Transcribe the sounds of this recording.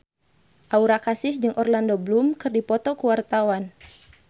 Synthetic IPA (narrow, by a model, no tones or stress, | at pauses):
ʔauɾakasɪhd͡ʒɨŋʔɔrlandoblumkɨrdipɔt̪ɔkuwart̪awan